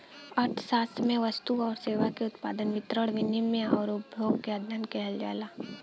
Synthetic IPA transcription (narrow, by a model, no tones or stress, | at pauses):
əɾʈʰsaːsmẽʋəst̪uɔːɾseːʋakeʊt̪pa̰ːd̪ənʋɪt̪ɾəɽʋɪnimːẽɔːɾʊbʱjoːɡkead̪ʱankɛɦəld͡ʒa̰ːlaː